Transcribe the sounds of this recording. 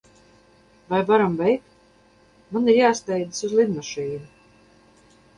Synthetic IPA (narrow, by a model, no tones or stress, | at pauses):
vajvaɾamvɛjk | maniɾjaːst̪ɛjd̪ɨ̥suzlˠid̪maʃiːnu